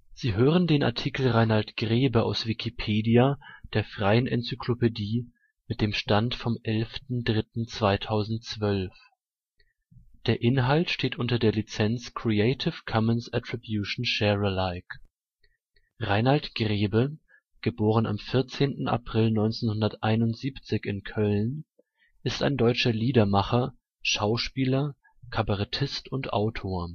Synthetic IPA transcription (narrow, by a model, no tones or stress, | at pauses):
z̥iːɦøːʁ̞əndeːnʔa̰ɐtʰikl̩ʁaɪnaltɡ̥ʁeːbəʔa̰ʊsv̥ikʰipʰeːdiad̥eːɐfʁ̥aɪənʔɛnt͡sykʰl̥opediː | mɪt̚d̥eːmʃtantfɔmʔɛlftn̩dʁɪtn̩t͡sv̥aɪtʰaʊzn̩t̚t͡sv̥œlf | d̥eːɐʔɪnɦaltʃteːtʔʊntɐdeːɐlit͡sɛnt͡skʁ̥ieɪtʰɪfkʰɔmənsatʁ̥ibjuːʃn̩ʃɛʁəlaɪk | ʁaɪnhaltɡ̥ʁeːbə | ɡ̥əboːʁəna̰mfɪɐt͡seːntn̩a̰pʁ̥ɪlnɔʏnt͡seːnhʊndɐtʔaɪnʊntz̥iːpt͡sɪçɪnkʰœln | ʔɪsta̰ɪndɔʏt͡ʃɐliːdɐmaχɐ | ʃaʊʃpiːlɐ | kʰabaʁatʰɪstʊntʔa̰ʊtʰoːɐ